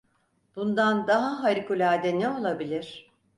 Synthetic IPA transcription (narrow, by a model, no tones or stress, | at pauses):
b̥und̪and̪aɦaɦaɾikulʲaːd̪ɛnɛo̞lˠabilʲiɾ̥